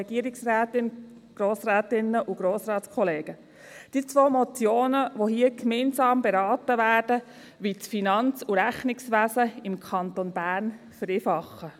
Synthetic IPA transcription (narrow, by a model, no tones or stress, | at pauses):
ɛɡ̥iəɾɪksɾæːtɪn | ɡ̥ɾoːsɾæːt̪ɪnːəʔuɡ̥ɾoːsɾɑːtskʰɔleːɡ̥ə | d̥iːət͡sʋoːmɔt͡sjoːnəʋoɦiːəkmɛːnsɑːmbeɾɑːt̪əʋæːɾd̥ə | ʋit͡sfinɑnt͡suɾæχnɪksʋæsəɪmkʰɑnt̪onbæːn | fəɾeːfɑχːə